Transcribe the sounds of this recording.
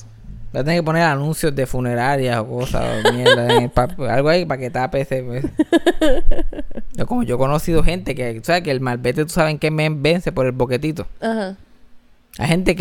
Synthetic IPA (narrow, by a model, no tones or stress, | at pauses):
bat̪eneŋkeponeɾanũnsjo̞zd̪e̞fune̞ɾaɾjaso̞ko̞sa̰mjed̪aeŋepapa̰lɣoaipake̞t̪apesepes | oko̞moʝo̞ko̞no̞siðoɦe̞nt̪e̞keu̥saβekelmalbe̞t̪et̪u̥saβeŋkemembe̞nsepo̞ɾe̞lbo̞ke̞t̪it̪oaha | a̰jhe̞nt̪ek